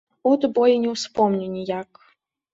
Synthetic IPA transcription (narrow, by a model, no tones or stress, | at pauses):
ɔd̪bɔjinʲɛwspɔmnʲinʲijak